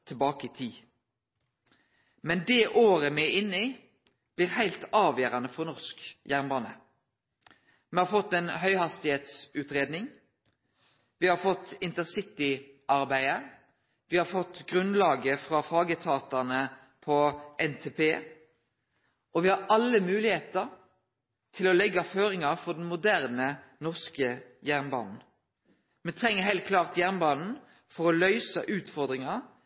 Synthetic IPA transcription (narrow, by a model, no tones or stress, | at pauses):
t̪ʰɪlbɑːkəɪt̪ʰiː | mɛnd̪ɛːʔoːɾəmɛɪnːi | b̥lɪːʁhæɪlt̪ɑːʋjøːɾɑnəfɔʁnɔʁskjæʁnbɑːnə̰ | mɛhɑɾfɔt̪ːɛnɦœʏhɑst̪ɪheːt̪sʉːt̪ʁeːd̪nɪŋ | ʋɪhɑfɔt̪ːɪnt̪əsɪt̪ɪ | ʔɑʁbæɪə | ʋɪhɑfɔt̪ːɡʁʉnlɑːɡəfʁɑfɑːɡət̪ʰɑːt̪ɑnə | pʰɔʔɛnt̪ʰeːpeː | ɔʋɪhɑɾɑlːəmʉːlɪheːt̪əʁ | t̪ʰɪlɔlɛɡːɑføːɾɪŋɑʁfɔɖ̪ɛn̩mʊd̪æʁnənɔʁskəjæʁnbɑ̰ːnn̩ | mɛnt̪ʰʁɛŋːəɦɛɪlt̪̚kʰlɑːʁt̪jæʁnbɑːnn̩ | fɔʁɔlœʏsə̰ʔʉːt̪fɔʁd̪ʁɪŋɑ